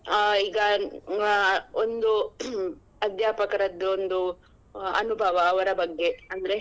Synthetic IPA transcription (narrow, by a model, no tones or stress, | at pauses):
aiɡɐ | ond̪u | ɐd̪jaːpɐkɐɾɐd̪ːuond̪u | ɐ̰nubʱaːʋaːʋɐɾɐbɐɡːeɐnd̪ɐɾɛ